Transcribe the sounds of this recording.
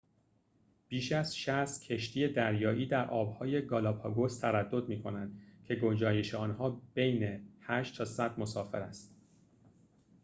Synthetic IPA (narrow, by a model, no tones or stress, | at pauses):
b̥iːʃæz̥ʃæst̪cʰe̞ʃt̪ʰiːje̞d̪æɾjɒːʔiːd̪æɾʔɒːbhɒːje̞ɡɒːlɒːbʰhɒːɡost̪ʰæɾæd̪ːo̞d̪miːkʰo̞nænd̪cʰe̞ɡo̞d͡ʒɒːje̞ʃeɒːnhɒːb̥e̞jne̞hæːʃt̪t̪ʰɒːsæd̪̚mo̞sɒːfe̞̰ɾæst̪